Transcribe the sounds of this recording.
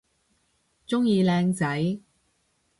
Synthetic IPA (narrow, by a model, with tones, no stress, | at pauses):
t͡sʊ˥ŋjiː˧lɛː˧ŋt͡sɐ˨˥j